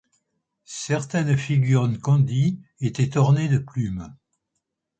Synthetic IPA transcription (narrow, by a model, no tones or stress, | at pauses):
sɛʁt̪ɛnfiɡʲyʁnkɑ̃d̪iet̪ɛt̪ɔʁned̪əplym